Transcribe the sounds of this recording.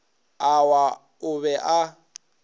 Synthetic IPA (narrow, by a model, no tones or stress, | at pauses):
awa | ʊβɛʔa